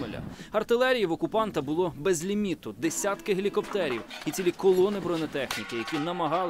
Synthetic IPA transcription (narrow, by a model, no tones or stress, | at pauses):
elʲɐ̰ɐrt̪ɪlˠɛɾʲijiwɔkʊpɑnt̪ɐbʊlˠɔbɛzʲlʲimʲit̪ʊd̪esʲat̪kɪɦelʲikɔpt̪ɛɾʲiwit͡sʲilʲikɔlˠɔnɪbɾɔnet̪ɛxnʲikɪjɐkʲinɐmɐɦɑlˠ